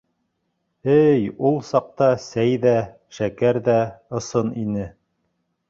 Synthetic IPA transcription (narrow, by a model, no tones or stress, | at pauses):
ɘjulˠsɑq̚t̪ɑsæjðæ | ʃækæɾðæɤ̆sɤninɘ